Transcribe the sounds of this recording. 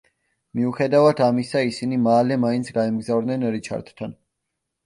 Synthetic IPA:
miuχɛd̪avad̪ʰamisaisinimalɛmaint̪sʰɡaɛmɡzavɾd̪nɛnɾit͡ʃʰa̰ɾt̪t̪ʰan

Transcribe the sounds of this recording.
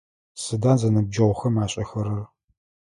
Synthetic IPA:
sɨdaːnzɐnɨb̚d͡ʒɐʁʷxɐmaːɕʼɐxɐɾɐr

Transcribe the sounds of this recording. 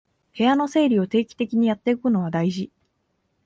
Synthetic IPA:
he̞jano̞se̞ːɾʲio̞t̪e̞ːkʲi̥t̪e̞kʲiɲ̟ijat̪ːe̞ɯkɯ̟no̞βad̪aiʑi

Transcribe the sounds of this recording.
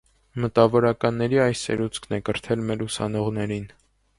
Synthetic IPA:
mət̪ɑvɔɾɑkɑnːɛɾiɑjsɛ̰ɾut͡skʰnɛkəɾt̪ʰɛlmɛlusɑ̰nɔʁnɛɾin

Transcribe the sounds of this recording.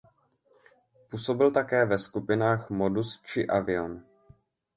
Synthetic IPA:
puːso̞bɪlt̪akɛːvɛskupɪnaːxmo̞dust͡ʃɪʔavɪo̞n

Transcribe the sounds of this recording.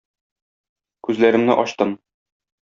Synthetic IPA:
kʉzlæɾɘ̆mnɘʔɒɕt̪ɤm

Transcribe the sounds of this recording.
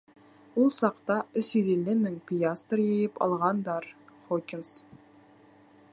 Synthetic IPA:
ulˠsɑqt̪ɑɵsiɾelːɘmɘŋpʲijast̪rjɘ̆jɘpɑ̰lˠʁɑnd̪ɑɾχokʲɪns

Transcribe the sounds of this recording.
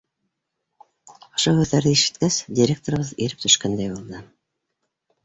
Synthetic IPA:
ŏʃohʉðːæɾðɘiʃɘ̥t̪kæsdʲɪɾʲek̚t̪oɾɤ̆βɤðiɾɘp̚t̪ʰɵ̆ʃkænd̪æjbulˠd̪ɤ

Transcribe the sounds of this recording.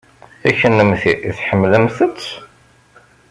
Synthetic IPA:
æçənːəmθiʔiθħəmːləmθət͡sː

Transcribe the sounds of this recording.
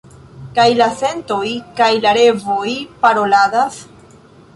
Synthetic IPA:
kajlase̞nto̞jkajlaɾe̞vojpaɾo̞ladas

